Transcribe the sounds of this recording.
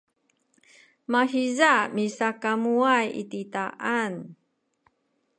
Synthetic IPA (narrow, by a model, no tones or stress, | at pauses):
mahizamisakamuajḭtitaʔan